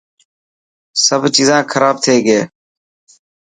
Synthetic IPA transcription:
səbt͡ʃiːzãːkʰəɾaːb̚t̪ʰeːɡeː

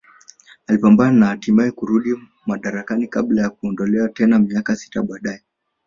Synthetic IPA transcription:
alipambananahːtimaɛkuɾuɗi | maɗaɾakanika̰ɓlajak̚uɔndɔlɛwatɛnamiakasi̥ta̰ɓaɗaɛ

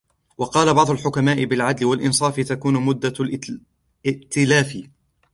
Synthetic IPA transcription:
wɑqɑːlabɑʕd̪ˤʊlħʊkamaːʔɪbɪlʕad̪lɪwalʔɪnsˤɑːfɪt̪akuːnʊmʊd̪ːa | ɪʔt̪ɪlaːfɪ

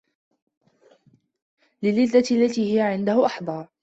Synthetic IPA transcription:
lɪlːɪd̪ːalːat̪iːhɪjaʕɪnd̪ahʊʔɑħd̪ˤɑː

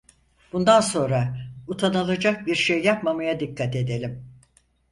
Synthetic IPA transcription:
bund̪anso̞nɾaut̪ʰanalˠad͡ʒak̚biɾʃejːapmamajad̪ikːat̪e̞d̪e̞lʲim

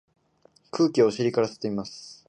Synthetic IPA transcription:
kʰɯ̟ːkʲio̞ɕiɾʲikaɾase̥t̪e̞imasɨ̥

